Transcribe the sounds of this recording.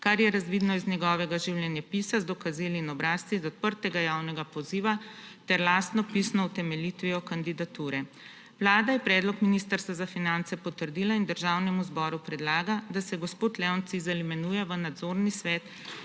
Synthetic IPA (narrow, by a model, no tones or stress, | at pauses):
kaɾjɛɾazʋid̪nɔiznɛɡɔːʋɛɡaʒiwljɛnjapisazd̪ɔkaziːlinɔbɾaːst̪izat̪̚pəɾt̪ɛɡajaːwnɛɡapɔziːʋat̪ɛɾlaːst̪nɔpisnɔwt̪ɛmɛlit̪ʋiɔkand̪id̪at̪uːɾɛ | wlaːd̪ajɛpɾɛːd̪lɔkminist̪əɾst̪ʋazafinant̪sɛpɔt̪əɾd̪iːlaind̪əɾʒawnɛmuzbɔːɾupɾɛd̪laːɡad̪asɛɡɔspoːt̪lɛɔnt̪sizɛlimɛnuːjɛʋənad̪zoːɾnisʋɛːt̪